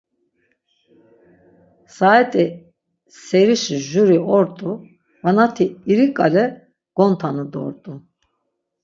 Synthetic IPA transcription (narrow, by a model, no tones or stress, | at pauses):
saɛt̪ʼɛ | sɛɾiʃiʒuɾiɔɾt̪ʼu | vanat̪ʰiːɾikʼalɛ | ɡ̥ɔnt̪ʰanɯd̪ɔ̰ɾt̪ʼu